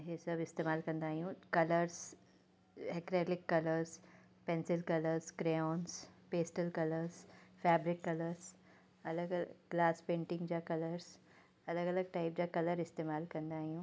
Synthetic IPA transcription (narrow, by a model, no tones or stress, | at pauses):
ɦesɐbɪst̪eːmaːlkɐ̃nd̪aːɦijũkɐləɾz | ɦɛkɾeːlɪkːɐləɾz | pɛ̃nsɪlkɐləɾzkɾenspeːsʈəlkɐləɾzfɛːbɾɪkːɐləɾz | ɐləɡɡ̥laːspẽːɳʈɪ̃ŋɡd͡ʑakɐləɾz | ɐləɡɐləɡ̚ʈaːɪp̚d͡ʑaːkɐləɾɪst̪eːmaːlkɐ̃nd̪aːɦijũː